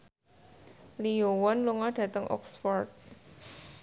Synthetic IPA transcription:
liowɔnluŋaɖ̥ä̤t̪əŋʔɔ̰ksfɔrt̪̚

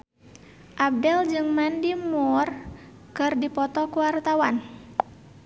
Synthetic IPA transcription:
ʔab̚dɛld͡ʒɨŋmandimɔr | kɨrdipɔt̪ɔkuwart̪awan

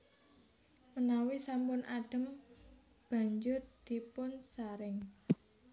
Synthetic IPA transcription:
mənawisampʊnʔaɖ̥ə̤m | b̥ä̤ɲd͡ʒʊrd̪̥i̤pʊnsaɾɪŋ

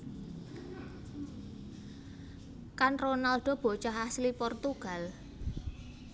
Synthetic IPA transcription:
kanronalɖ̥ɔ̤b̥ɔ̤t͡ʃaɦaslipɔrt̪uɡ̥a̤l

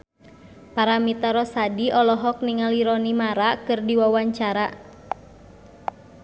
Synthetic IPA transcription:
paɾamit̪aɾɔsadiʔɔlɔɦɔk̚niŋaliɾɔnimaɾakɨrdiwawaɲt͡ʃaɾa

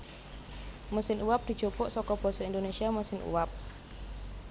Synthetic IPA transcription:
məsɪnuwap̚d̪̥i̤d̥ʒ̥o̤pɔʔsɔkɔb̥ɔ̤sɔind̪onesiaməsɪnṵwap̚

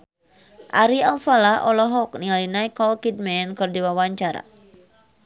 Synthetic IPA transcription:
ʔaɾialfalaʔɔlɔɦɔk̚niŋalinaikɔlkid̚mɛnkɨrdiwawaɲt͡ʃaɾa̰

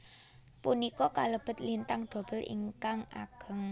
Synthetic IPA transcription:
punikɔkaləb̥ə̤t̪̚lint̪aŋɖ̪̥o̤b̥ə̤lʔḭŋkaŋʔa̰ɡ̥ə̤ŋ

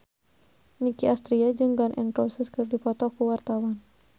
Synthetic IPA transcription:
nikiast̪ɾiad͡ʒɨŋbanʔɛ̰ŋpɾɔsɛskɨrdipɔt̪ɔkuwart̪awan

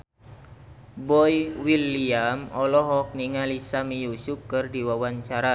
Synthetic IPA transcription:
bɔjwiliamɔlɔɦɔk̚niŋalisamijusukɨrdiwawaɲt͡ʃaɾa

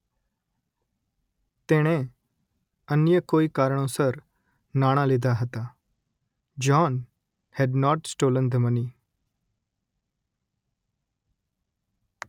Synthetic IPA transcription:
t̪eːɽ̃ẽ | ənjəkoːikaːɾəɳ̃õsəɾ | naːɽ̃ãleːd̪aɦət̪aː | d͡ʒɔːn | hɛɖnɔːʈsʈoːlənd̪əməniː

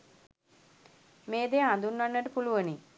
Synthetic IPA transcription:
meːd̪eːãnd̪unːanːəʈəpuluʋəni

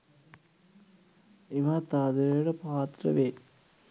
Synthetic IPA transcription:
iʋat̪aːd̪eɽɐpaːt̪ɾɐ̰ʋeː

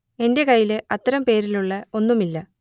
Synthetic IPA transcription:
e̞nde̞kɐjːileɐt̪ːɐɾɐmpe̞ːɾiluɭːɐo̞nːumilːɐ

